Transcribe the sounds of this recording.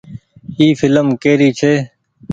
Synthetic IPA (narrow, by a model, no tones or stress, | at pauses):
iːfɪləmkeːɾiːt͡ʃʰeː